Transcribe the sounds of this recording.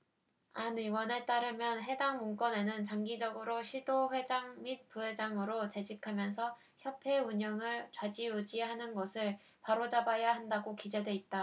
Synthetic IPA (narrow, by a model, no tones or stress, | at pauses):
aniwʌne̞t͈aɾɯmjʌnɦe̞daŋmoŋk͈ʌne̞nɯnt͡ɕaŋɡid͡ʑʌɡɯɾoɕʰidoɸwe̞d͡ʑaŋmit̚p͈uɦe̞d͡ʑaŋɯɾot͡ɕe̞d͡ʑikʰamjʌnsʰʌ | çjʌpʰe̞uɲʌŋɯɭt͡ɕwad͡ʑiud͡ʑiɦanɯnɡʌsʰɯɭ | paɾod͡ʑabajaɦandaɡokid͡ʑe̞dwe̞it̚t͈a